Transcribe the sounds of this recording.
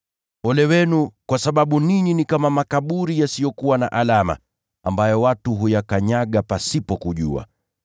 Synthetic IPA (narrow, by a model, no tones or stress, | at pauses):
ɔlɛwɛnukwasaɓaɓuniɲinikamamakaɓuɾijasijɔkuwana̰ʔalama̰ | ambajɔwatuɦujakaɲaɠapasipɔkuʄṵa̰